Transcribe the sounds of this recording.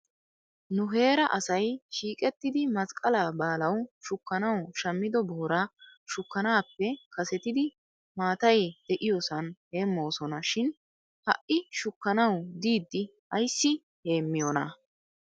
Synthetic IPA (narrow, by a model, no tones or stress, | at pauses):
nʊɦe̞ːɾɐʔɐsɐjʃiːkʼɛt̪ːɪd̪ɪmɐskʼɐlaːbaːlɐwʃʊkːɐnɐwʃɐmːɪd̪ɔboːɾaʃʊkːɐnaːpːɛkɐsɛt̪ɪd̪ɪ | maːt̪ɐjd̪̥ɛʔɪjosɐnhe̞ːmːo̞ːsɔnɐʃɪn | hɐ̰ʔɪʃʊkːɐnɐwd̪iːd̪ːɪ | ɐjsːɪ | he̞ːmːɪjonɐ